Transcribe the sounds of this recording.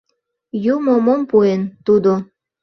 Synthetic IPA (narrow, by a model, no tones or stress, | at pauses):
jumomompuent̪ud̪o